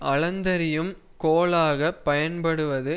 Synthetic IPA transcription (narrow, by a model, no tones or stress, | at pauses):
ʔɐlɐnd̪ɐɾɪjɯm | koːlaːɣɐpːɐjɐnpɐɽɯʋɐðɯ